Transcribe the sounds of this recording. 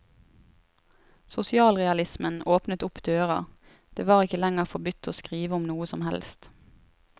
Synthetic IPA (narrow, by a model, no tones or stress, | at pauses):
sʊsɪɑːlʁɛɑlɪsmənoːpnət̪ʊpd̪øːʁɑ̰ | d̪̥eːʋɑːʁɪkəlɛŋəʁfɔbʏt̪ʰːoːskʁiːʋəʊmnuːəsɔmhɛ̰lst̪